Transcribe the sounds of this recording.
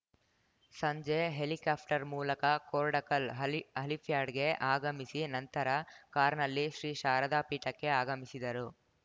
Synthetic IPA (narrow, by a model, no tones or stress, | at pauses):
sɐɲd͡ʒeɦelikaːp̚ʰʈɐɾmuːlɐkɐkoːɾɖɐkɐlɐlipʰjaːɖɡe̞ʔaːɡɐmisinɐnt̪ɐɾɐkaːɾnɐlːiʃɾiːʃaːɾɐd̪aːpiːʈɐkːe̞aːɡɐmisid̪ɐɾu